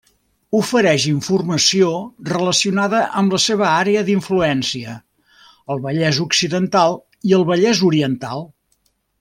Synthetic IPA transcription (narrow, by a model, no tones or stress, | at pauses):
ufəɾɛʃiɱfurməsiorələsiunaðəʔəmləseβəaɾeəðiɱfluɛnsiə | əlˠβəʎɛzuksiðənt̪alˠ | iəlˠβəʎɛzuɾiənt̪a̰lˠ